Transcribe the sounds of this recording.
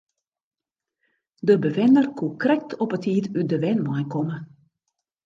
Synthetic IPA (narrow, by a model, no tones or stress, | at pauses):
dəbəʋɪnərkukrɛk̚tʰɔpətiːtyt̚dəʋɛnmɔjkɔmə